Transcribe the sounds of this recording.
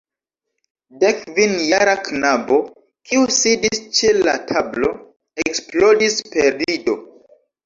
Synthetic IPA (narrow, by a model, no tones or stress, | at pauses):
dekvinjaɾaknabo̞ | kʰiusidist͡ʃela̰tʰablo̞ | eksplo̞dispe̞ɾido̞